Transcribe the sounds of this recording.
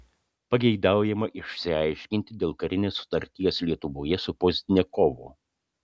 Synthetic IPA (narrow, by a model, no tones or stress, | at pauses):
pɐɡʲɛɪd̪ɑˑʊjɛmɐʔɪʃʲsʲɪɑɪʃʲkʲɪnʲt̪ʲɪd̪ʲeːlˠkɐɾʲɪnʲeːsːʊ̥t̪ɐɾʲt̪ʲijɛslʲiɛt̪ʊʋoːjɛsʊpɔzʲt̪ʲɪnʲeːkɔːʋoː